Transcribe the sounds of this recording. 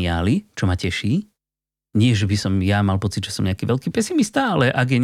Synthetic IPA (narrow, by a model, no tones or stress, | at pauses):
ɪa̰ːlit͡ʃɔmacɛʃiː | ɲɪɛʒɛbisɔmjamalpɔt͡sid̪ʒɛsɔmɲɛakiːʋɛlkiːpɛsimist̪aalɛʔaɡjɛɲ